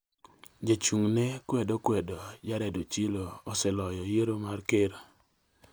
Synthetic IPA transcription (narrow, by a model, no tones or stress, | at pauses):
d͡ʒat͡ʃuŋnɛkwɛdɔkwɛdɔd͡ʒaɾɛdot͡ʃiloːsɛlɔjɔjeɾomarkeɾa